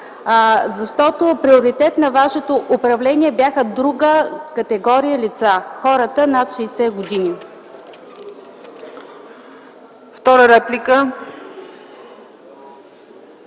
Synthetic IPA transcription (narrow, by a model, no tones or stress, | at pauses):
zɐʃt̪ɔt̪opɾioɾit̪ɛt̪nɐvaʃɛt̪oʔʊpɾɐvlɛniɛbjaxəd̪ɾuɡəkət̪ɛɡɔɾijəlʲit̪saxɔɾət̪ənat̪ʃɛːsɛɡod̪ini | ft̪ɔɾəɾɛplʲikə